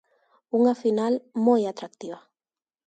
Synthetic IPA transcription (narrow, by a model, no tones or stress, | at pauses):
uŋafinalmojat̪ɾak̚t̪iβa